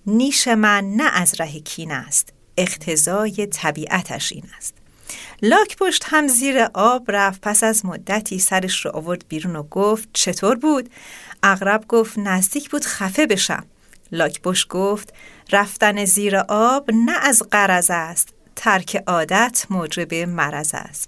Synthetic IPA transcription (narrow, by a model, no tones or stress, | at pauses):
niːʃe̞mænːæʔæzɾæɦecʰiːnæst̪ | e̞qt̪ʰe̞zɒːje̞t̪ʰæbiːʔæt̪ʰæ̰ʃʔḭːnæst̪ | lɒːcʰb̥o̞ʃt̪hæmziːɾeʔɒːb̥ræfpʰæsæzmod̪ːæt̪ʰiːsæɾeʃɾɔ̰ʔovo̞ɾd̪̚biːɾuːnoɡoft̪̚t͡ʃʰe̞t̪ʰoːɾbuːd̪̥ʔæɣɾæbɡo̞ːft̪næzd̪iːcʰb̥uːd̪̥xæfe̞be̞ʃæ̰m | lɒːcʰboʃt̪̚ɡ̥oːft̪ræft̪æneziːɾeʔɒːb̥næʔːzɢæɾæzæst̪ | t̪ʰːæɾcʰeʔɒːd̪æt̪ʰmoːd͡ʒe̞be̞mæɾæzæ̰st̪